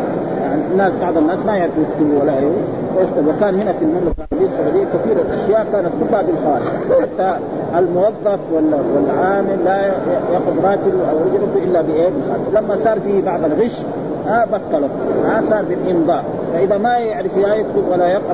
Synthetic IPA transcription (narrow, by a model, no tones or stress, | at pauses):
jaʕninːaːsbɑʕd̪ˤanːaːsmajaʕɾɪfjɪk̚t̪ubuwalːaʔeːwu | wajɪxt̪alwakaːnhɪnafilmamlafalʕɑɾˤɑbijːasːʊʕuːd̪ɪjːalkaθiːɾalʔaʃjaːʔkaːnat̪̚kʊbhabilxawaːt̪ɪ̰ħat̪ːa | almʊwɑðˤːɑfwalawalːʕaːmɪlːajɑqʊb̪ɾˤɑːt̪iluʔawɾˤad͡ʒlat̪uʔɪlːabiʔeːbɪxa̰ːllamːasˤɑːɾˤfiːbɑʕd̪ˤalɣɪʃ | abɑt̪ˤːɑlumasˤɑːɾˤbilʔɪnd̪ˤɑː | faʔid̪amajɪʕɾɪfjajɪk̪t̪ubwalːajɑq